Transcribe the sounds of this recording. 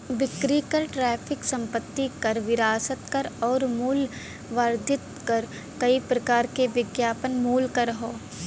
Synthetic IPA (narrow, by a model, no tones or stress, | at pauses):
ʋɪkɾikəɾʈɾɛːpʰɪksɐ̃mpət̪ːikɐɾʋɪɾaːsət̪kɐɾɔːɾmuːl | ʋaːɾd̪ʱɪt̪kɐɾ | kɐipɾɐkaːɾkeʋɪɡjaːpənmuːlkəɾɦoː